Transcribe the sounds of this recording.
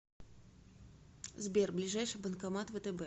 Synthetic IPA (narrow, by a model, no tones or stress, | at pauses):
zbʲerblʲiʐajʂɨbənkamat̪vət̪ɛbɛ